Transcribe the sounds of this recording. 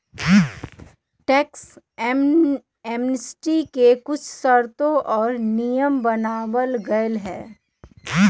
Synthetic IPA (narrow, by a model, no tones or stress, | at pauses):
ʈɛːks | eːmnəsʈikekʊt͡ʃʰsɐɾt̪õʔɔːɾnijəmbɐnaːwəlɡɐəlɦɛː